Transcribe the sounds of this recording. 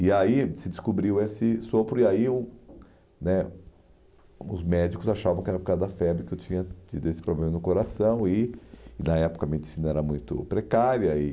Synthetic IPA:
ɪaisɪd͡ʒɪskubɾiwesɪsopɾʊiaiũ | nɛ | ʊ̰zmɛd͡ʒikʊzaʃavɐ̃w̃kɪɛɾɐpokad̪ɐd̪ɐfɛbɾɪkɪewt͡ʃĩɲɐt͡ʃid̪ʊesɪpɾoblẽmɐnʊkoɾasɐ̃w̃inɐɛpʊ̥kɐmĩɐedd͡ʒɪsĩnɐɛɾɐmũj̃t̪ʊ̰pɾekaɾjɐɪ

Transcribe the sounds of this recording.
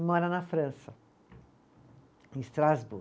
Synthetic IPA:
mɔɾɐnɐfɾɐ̃sɐ | ẽst̪ɾazbu

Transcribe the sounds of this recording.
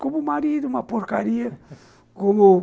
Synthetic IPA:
komumaɾiðuumɐpoɾkaɾiɐ | komu

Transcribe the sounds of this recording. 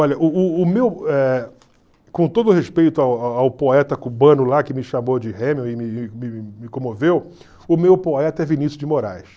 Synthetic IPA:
ɔʎɐʔʊʊːmewɛ | kõt̪od̪ʊɦespejt̪ʊawaawpoɛt̪ɐkubɐ̃nʊlakɪmɪʃamod͡ʒɪhẽmõɪmɪmɪmɪkõmovew | ʊmewpoɛt̪ɐɛvinisjʊd͡ʒɪmoɾa̰js

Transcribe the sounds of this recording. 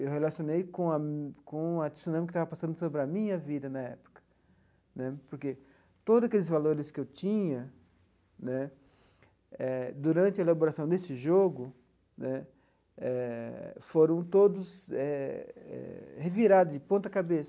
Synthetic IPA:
ewɦelasionejkõɐkõɐd͡ʒ̪i̥sunɐ̃mkɪt̪avɐpasɐ̃nd̪ʊsobɾɪɐmĩɲɐvid̪ɐnɐɛpʊ̥kɐ̥ | nɛpoɾke | t̪od̪ʊzakelɪzvaloɾɪskɪewt͡ʃĩɲɐ | nɛ | ɛd̪uɾɐ̃nt͡ʃɪɐelaboɾasɐ̃w̃d̪esɪʒoɡʊ | nɛ | ɛ | foɾɐ̃w̃t̪od̪ʊsɛɛ̰heviɾad̪ʊzd͡ʒɪpõt̪ɐkabesɐ̥

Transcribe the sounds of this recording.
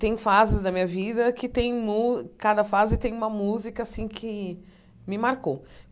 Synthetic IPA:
t̪ẽj̃fazɪzd̪ɐmĩɲɐvid̪ɐkɪt̪ẽj̃mukad̪ɐfazɪt̪ẽj̃ũmɐmuzikɐːsĩkʰɪ | mɪmaɾko

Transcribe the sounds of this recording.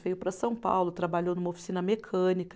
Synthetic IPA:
vejʊpɾɐsɐ̃w̃pa̰wlʊt̪ɾabaʎownumɐofi̥sinɐmekʰɐ̃nik

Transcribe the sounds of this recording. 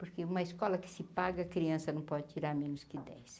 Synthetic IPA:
pʊɾkɪũmɐiskɔlɐkɪ̥sɪpaɡɐkɾiɐ̃sɐnɐ̃w̃pɔd͡ʒ̪ɪt̪iɾaɾmẽnʊskɪd̪ɛ̰js

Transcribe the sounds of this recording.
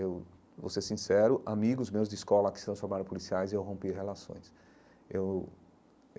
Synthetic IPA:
ew | vo̰sesĩsɛɾʊʔamiɡʊzmewzd̪d͡ʒɪiskɔlɐkɪ̥sɪt̪ɾɐ̃sfoɾmaɾʊ̃pulisiajzewɦõmpihelasõ̰j̃s | ew

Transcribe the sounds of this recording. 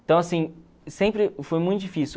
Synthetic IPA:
t̪ɐ̃w̃asĩ | sẽpɾɪfojmũj̃t̪ʊd͡ʒifisi

